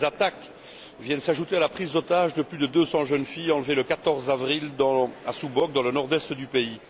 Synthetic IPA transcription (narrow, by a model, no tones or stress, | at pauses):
zat̪ak | vjɛnsaʒut̪ealapχizɔt̪aʒd̪əplyd̪əd̪øsɑ̃ʒənfijɑ̃lveləkat̪ɔʁzavʁild̪ɑ̃a̰subɔk̚d̪ɑ̃lənɔʁd̪wɛst̪d̪ypei